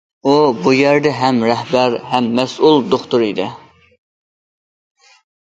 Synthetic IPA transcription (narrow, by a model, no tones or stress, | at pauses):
obujæɾd̪ɛɦæmɾɛɦbæɾɦæmːɛsulˠd̪oχt̪uɾid̪ɪ